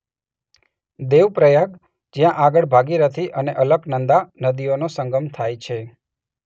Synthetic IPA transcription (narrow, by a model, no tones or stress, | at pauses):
d̪eʋpɾəjəɡ | d͡ʒjãʔaɡəɭbʱaɡiɾət̪ʰiʔəneʔələɡnənd̪anəd̪ionosəŋɡəmt̪ʰajt͡ʃʰe